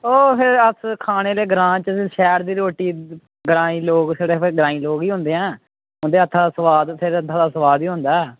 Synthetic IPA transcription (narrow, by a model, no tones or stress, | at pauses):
oːpʰɪɾəskʰaːɽ̃eːleːɡɾãːt͡ʃəʃɛːɾd̪iːɾoːʈiː | ɡəɾãːĩːloːɡseːɽeːɡəɾãːĩːloːɡiːɦʊ̃nd̪eːãː | ɦʊ̃nd̪eːət̪ʰːaːd̪aːsəʋaːd̪pʰɪɾət̪ʰːãːd̪aːsəʋaːd̪iːɦõnd̪aɛ